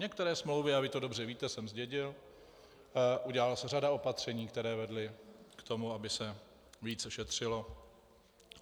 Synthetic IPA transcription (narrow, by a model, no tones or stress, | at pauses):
ɲɛk̚t̪ɛɾɛːsmlo̞wvɪavɪt̪o̞do̞br̝ɛviːt̪ɛsɛmzɟɛɟɪl | ʔuɟɛlalasɛradao̞pat̪r̝̥ɛɲiːkt̪ɛɾɛːvɛdlɪkt̪o̞muabɪsɛ | viːt͡sʃɛt̪r̝̥ɪlo̞